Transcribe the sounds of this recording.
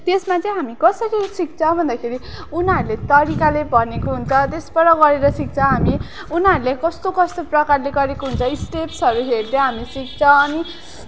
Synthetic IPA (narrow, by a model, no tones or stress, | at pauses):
t̪esmat͡sʌ̃j̃ɦamikʌsʌɾisik̚t͡sʰʌ̃bʱʌnd̪akʰeɾiunaɾulet̪ʌɾikalebʱʌnekoɦunt͡sʰʌt̪esbʌɾʌɡʌɾeɾʌsik̚t͡sʰʌɦami | unaɾulekʌst̪okʌst̪oprʌkarleɡʌɾekoɦunt͡sʰʌisʈepsʌɾuɦerd̪jẽɦamisik̚t͡sʰʌʌni